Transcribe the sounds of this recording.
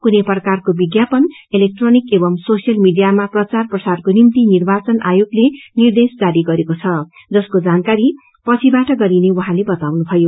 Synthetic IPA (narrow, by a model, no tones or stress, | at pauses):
kuneprʌkarkobiɡjapʌn | elek̚ʈronikebʌmsosijʌlmiɖijamaprʌt͡sarprʌsarkonimt̪inirbat͡sʌnʔajoɡlenird̪esd͡zaɾiɡʌɾekot͡sʰʌ | d͡zʌskod͡zankaɾi | pʌt͡sʰibaʈʌɡʌɾinewʌɦãlebʌt̪awnubʱʌjo